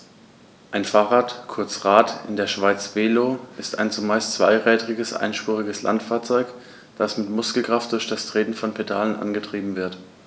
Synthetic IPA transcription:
ʔaɪnfaːʁaːtkʰʊɐt͡sʁaːtɪndeːɐʃv̥aɪt͡sv̥eːloːʔɪsta̰ɪnt͡sumaɪstt͡sv̥a̰ɪʁɛːdʁɪɡəsʔa̰ɪnʃpʁ̥ʊʁɪɡəsla̰ntfaːɐt͡sɔʏk | d̥asmɪtmʊskl̩kʁ̥aft̚d̥ʊɐçd̥astʁ̥eːtn̩fɔnpʰedaːlənʔa̰nɡətʁ̥iːbm̩vɪɐt

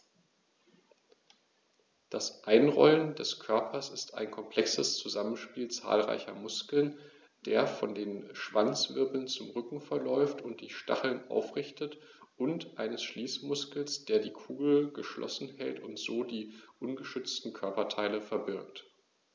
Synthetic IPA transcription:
d̥asʔaɪnʁɔ̰ləndɛskʰœɐpʰɐsɪsta̰ɪnkʰɔmpʰl̥ɛksəst͡suzamənʃpiːlt͡sa̰ːlʁa̰ɪçɐ̰mʊskl̩n | d̥eːɐfɔndeːnʃv̥ant͡sv̥ɪɐbl̩nt͡sʊmʁʏkŋ̩fɛɐlɔʏftʊnt̚d̥iːʃta̰χl̩nʔa̰ʊfʁ̥ɪçtət | ʔʊntʔaɪnəsʃliːsmʊskl̩sd̥eːɐdiːkʰuːɡl̩ɡəʃlʔɔ̰sn̩hɛltʊntz̥oːdiːʔʊnɡəʃʏt͡stn̩kʰœɐpɐtʰaɪləfɛɐbɪɐk̚t

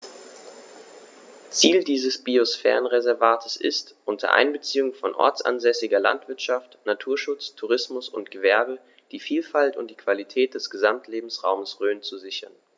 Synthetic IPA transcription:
t͡siːldiːzəsb̥iosfɛ̰ːʁənʁezɛɐvaːtʰəsɪ̰stʔʊntʰɐ̰ʔa̰ɪnbət͡siːʊŋfɔnʔɔ̰ɐt͡sʔa̰nzɛsɪɡɐla̰ntv̥ɪɐtʃaftnatʰuːɐʃʊt͡stʰuʁɪsmʊsʊ̰ntɡ̥əvɛɐbə | d̥iːfiːlfaltʊnt̚d̥iːkv̥alitʰɛːt̚d̥ɛsɡ̥əzamtʰleːbm̩sʁa̰ʊməsʁøːnt͡suzɪçɐ̰n

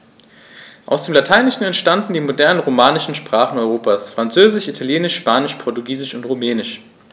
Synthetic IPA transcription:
ʔa̰ʊsd̥eːmlatʰaɪnɪʃn̩ɛntʃtandn̩diːmodɛɐnənʁomaːnɪʃn̩ʃpʁ̥aːχn̩ɔʏʁoːpaːsfʁ̥ant͡søːzɪʃitʰaljeːnɪʃʃpaːnɪʃpʰɔɐtuɡiːzɪʃʊntʁumɛːnɪʃ

